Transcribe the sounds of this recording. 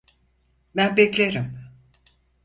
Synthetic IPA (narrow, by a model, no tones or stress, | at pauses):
bænbɛclʲeɾim